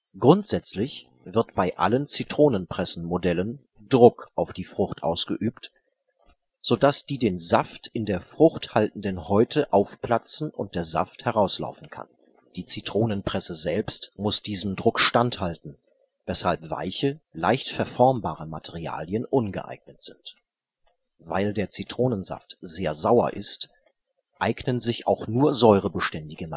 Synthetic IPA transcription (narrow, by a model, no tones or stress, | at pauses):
ɡ̥ʁʊntz̥ɛt͡slɪç | vɪɐtb̥aɪʔa̰lənt͡sitʁ̥oːnənpʁ̥ɛsn̩modɛlən | d̥ʁʊkʔaʊfd̥iːfʁ̥ʊxtʔa̰ʊsɡ̥əʔyːpt | z̥oːd̥asd̥iːdeːnzaftɪndeːɐfʁ̥ʊχthaltn̩dənhɔʏtʰəʔaʊfpl̥at͡sn̩ʔʊ̰nt̚d̥eːɐza̰fthɛʁ̞aʊsla̰ʊfn̩kʰa̰n | d̥iːt͡sitʁ̥oːnənpʁ̥ɛsəzɛlpstmʊsd̥iːzəm̩dʁʊkʃtanthaltn̩ | vɛshalpv̥a̰ɪçəla̰ɪçtfɛɐfɔɐmbaːʁ̞əmatʰɛʁia̰ːljənʔʊnɡə̰ʔa̰ɪɡ̚nətz̥ɪnt | va̰ɪldeːɐt͡sitʁ̥oːnənza̰ftz̥eːɐzaʊɐ̰ʔɪ̰st | ʔaɪɡnənzɪça̰ʊxnuːɐzɔʏʁ̞əbəʃtɛndɪɡəm